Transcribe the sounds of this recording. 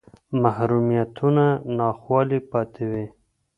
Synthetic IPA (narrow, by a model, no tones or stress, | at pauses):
mahɾumijat̪ʰunanɑxwɑlipɑt̪ʰewi